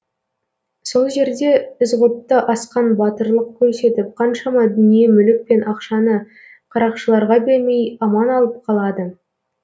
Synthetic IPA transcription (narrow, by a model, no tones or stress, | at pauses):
so̞lˠʒe̞ɾd̪e̞ɪzʁəp̚t̪əʔɑsqɑnbɑt̪əɾlˠəq̚kʲʰɵɾse̞t̪ɪp̚qʰɑnʃɑmɑd̪ʏnije̞mʏlɪk̚pe̞nʔɑqʃɑnə | qʰɑɾɑqʃəlˠɑɾʁɑbeɾme̞jɑmɑnɑlˠəp̚qʰɑlˠɑd̪ə